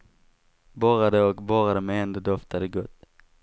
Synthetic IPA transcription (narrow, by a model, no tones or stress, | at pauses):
bɔːɾad̪əɔkbɔːɾad̪əmɛɛnd̪ɔd̪ɔft̪ʰad̪əɡɵt̪ː